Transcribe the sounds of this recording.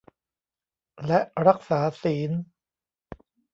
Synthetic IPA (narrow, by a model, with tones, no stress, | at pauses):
lɛ˦˥ʔɾa˦˥k̚saː˩˦siː˩˦n